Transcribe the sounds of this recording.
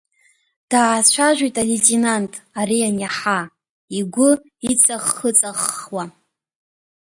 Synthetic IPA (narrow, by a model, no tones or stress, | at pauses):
d̥aːt͡ɕʷʰaʒʷᶣijtʼaletʼinantʼaɾianjaħa | iɡʷʊ | it͡sʼaχːət͡sʼaχwa